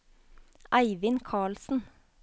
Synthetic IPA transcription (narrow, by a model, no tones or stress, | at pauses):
ʔæɪʋɪnkʰɑːɭsn̩